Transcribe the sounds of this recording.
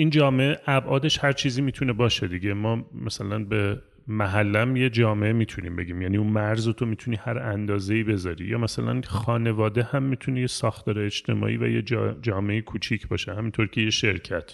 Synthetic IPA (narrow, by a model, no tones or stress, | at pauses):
iːnd͡ʒɒːmeʔeʔæbʔɒːd̪e̞ʃhæɾt͡ʃʰiːziːmiːt̪ʰune̞bɒːʃed̪iɟe̞mɒːmæsælænbe̞ | mæɦælːæmje̞d͡ʒɒːmeʔemiːt̪ʰunḭmbe̞̰ɟiːmjæniunmæɾzot̪ʰo̞miːt̪ʰuniːhæɾænd̪ɒːze̞iːbe̞zɒɾḭjɒ̰ːmæsælæ̰nxɒːne̞vɒːd̪ehæmːit̪ʰunejesɒːxt̪ʰɒːɾeed͡ʒt̪ʰe̞̰mɒ̰ːʔḭːvæ̰jed͡ʒd͡ʒɒːmeejekʰuːt͡ʃʰicʰbɒːʃehæmint̪ʰo̞ɾcʰe̞je̞ʃe̞ɾcʰæt̪ʰ